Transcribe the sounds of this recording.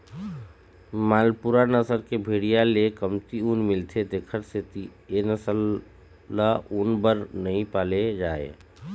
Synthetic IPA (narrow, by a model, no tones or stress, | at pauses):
maːlpuɾanəsəɾkebʱeːɽijalekəmt̪iuːnmɪlt̪ʰed̪eːkʰəɾset̪ienəsəlː | aʔuːnbəɾnɐɦĩpaːled͡ʒaːḛː